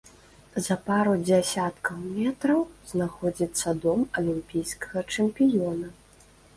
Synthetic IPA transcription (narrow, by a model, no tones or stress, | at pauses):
zɐpaɾud͡zʲasʲat̪kɐwmʲɛt̪ɾɐwznaxɔd͡zʲit̪sːɐd̪ɔmɐlʲimpʲijskɐ̥ɣɐt͡ʂɛmʲpʲijɔnɐ